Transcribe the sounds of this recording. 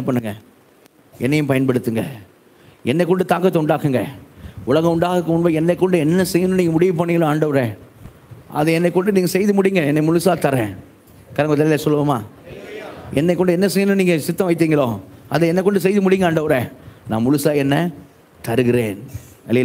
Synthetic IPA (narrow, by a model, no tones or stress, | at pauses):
ɛnːɐpɐɳːɯŋɡɐ | ɛnːɐjʊ̃mpɐjɐnpɐɽɯt̪ːɯŋɡɐ̰ | ɛnːɛɪkːɔɳɖɯt̪aːkɐt̪ːɐʊɳɖaːkɯŋɡɐʊɭɐɣɐ̃ʊɳɖaːɣɯkːɯmʊnʋɐɛnːɐɪkːɔɳɖɯɛnːɐsɛjːɐnɯ̃niːŋɡɐmʊɽɪʋɐp̬ːɐnːɪːŋɡɐɭõːaːɳɖɐʋɐɾɛ | ʔɐ̰ðɛɛnːɛɪkːɔɳɖɯniːŋɡɐsɛjðɯmʊɽɪŋɡɐɛnːɛmʊlʊsaːt̪ɐɾɛ̃ː | kɐɾɐŋɡɯt̪ːɐlɪlɐsɔlːɯʋɐmaː | ɛnːɛɪkːɔɳɖɯɛnːɐsɛjːɯnɯ̃niːŋɡɐsɪt̪ːɐ̃ʋɐɪt̪ːiːŋɡɐɭoːɐðɛɛnːɛkːɔɳɖɯs̬ɛjðɯmʊɽɪŋɡɐːɳɖɐʋɐɾɛnãːmʊlɯsaːɛnːɐ | t̪ɐɾɯɣɪɾeːnɐlɪl